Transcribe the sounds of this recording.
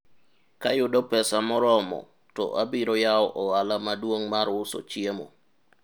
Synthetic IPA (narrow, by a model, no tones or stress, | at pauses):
kajuɗɔpɛsamɔɾɔmɔ̰ | tɔ̰ʔabiɾɔjawɔʔɔwalamaduoŋmaɾwusɔ̰t͡ʃiemɔ̰